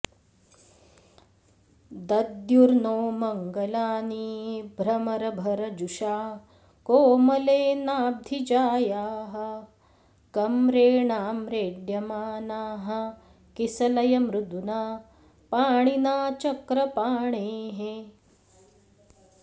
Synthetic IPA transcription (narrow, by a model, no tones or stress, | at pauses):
d̪ɐd̪juɾnoːmɐŋɡɐlaːnibʱɾɐmɐɾɐbʱɐɾɐd͡ʒuʃaː | koːmɐleːnaːb̚d̪ʱid͡ʒaːjaːɦɐ | kɐmɾeːɳaːmɾeːɖjɐmaːnaːɦɐ̆ | kisɐlɐjɐmɾud̪unaː | paːɳinaːt͡ʃɐkɾɐpaːɳeːɦe